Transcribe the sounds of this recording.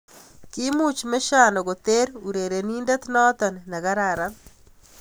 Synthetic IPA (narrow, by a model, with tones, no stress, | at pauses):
ki˦mu˦t͡ʃme˦ʃa˦nɔ˨ɡo˨t̪e˦ɾu˨ɾe˨ɾe˨ni˦nda˦t̪nɔ˦t̪ɔ˨nna˨ɣa˦ɾa˨ɾa˦